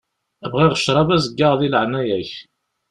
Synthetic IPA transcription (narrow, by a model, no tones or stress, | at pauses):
æbʁiʁəʃɾˤɑvæzəɡːaʁðiləʕnæjæç